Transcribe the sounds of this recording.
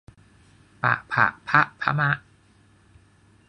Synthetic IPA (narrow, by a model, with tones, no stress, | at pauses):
pa̰˨˩ʔpʰa̰˨˩ʔpʰa˦˥ʔpʰa̰˦˥ma˦˥ʔ